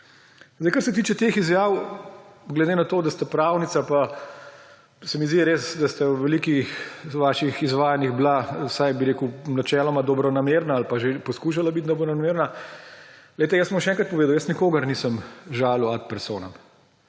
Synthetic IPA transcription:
zd̪ɛɪjkɐɾsɛt̪iːt͡ʃɛt̪exizjaːw | ɡlɛd̪enat̪oːd̪ast̪apɾaːwnit̪sapa | sɛmizd̪iɾeːsd̪ast̪awʋɛliːkixʋaːʃixizʋaːjaniɣblasajbiɾeːkunat͡ʃɛːlɔmad̪ɔbɾɔnameɾnaːlpaʒepɔskuʃ̬alabit̪̚d̪ɔbɾɔɔnameːɾna | leɪt̪ɛjəsbɔmʃɛɛːŋkɾɐt̪̚pɔʋeːd̪aɐwjəsnikoːɡɐɾnisəmʒaːluat̪̚pɛɾsoːnam

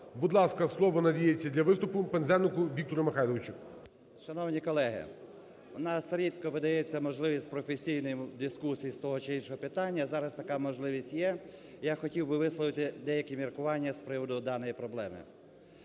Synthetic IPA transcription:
bud̪lˠɑskɐslˠɔʋɔnɐdʲijet͡sʲːɐd̪ʲlʲɐʋɪst̪ʊpʊpɛnzɛnɪkʊʋʲikt̪ɔɾɐmexɑjlɔʋɪt͡ʃʊk | ʃɐnɔwnʲikɔlˠɛɦɪ̰ | nɑsɾʲid̪kɔʋɪd̪ɐjɛt͡sʲːɐmɔʒlˠɪʋʲisʲtʲpɾɔfesʲijnɔjʊd̪ɪskusʲijist̪ɔɦɔt͡ʃɪinʃɔɦɔpɪt̪ɑnʲːɐzɑɾɐst̪ɐkɑmɔʒlˠɪʋʲisʲtʲjɛ | jaxɔtʲiwbɪʋɪslˠɔʋɪt̪ɪd̪ɛjɐkʲimʲirkʊʋɑnʲːɐspɾɪʋɔd̪ʊd̪ɑnɔjipɾɔblˠɛmɪ̰

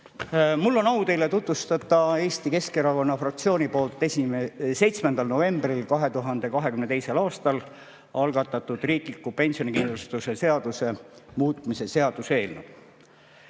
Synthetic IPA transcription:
mulːo̞nɑut̪e̞jlet̪ut̪vust̪ɑt̪ːˑɑe̞ːst̪ike̞skeɾɑko̞nːɑfrɑk̚t̪sio̞ːnʲipo̞ːlt̪ːˑe̞simese̞jt̪smend̪̥ɑlno̞ve̞mb̥rilkɑɦe̞t̪uɦɑnd̪̥e̞kɑɦe̞kymne̞t̪e̞jse̞lɑːst̪ɑl | ɑlɡ̥ɑt̪ːˑɑt̪ːˑud̪̥riːklikːupe̞nsionʲikind̪lost̪use̞se̞ɑd̪̥use̞muːt̪ˑmise̞se̞ɑd̪̥use̞ːlnḛw

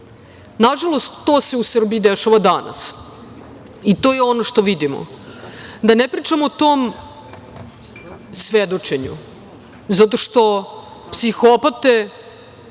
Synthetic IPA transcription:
naʒalˠo̞st̪ːoːse̞usr̩biid̪eʃaʋad̪ana̰s | it̪oːjɛo̞noʂt̪o̞ʋid̪imo̰ | d̪anepɾiːt͡ʃamoːt̪oːm | sʋed̪o̞t͡ʃeɲṵ | zat̪̬o̞ʂt̪o̞psixopat̪e

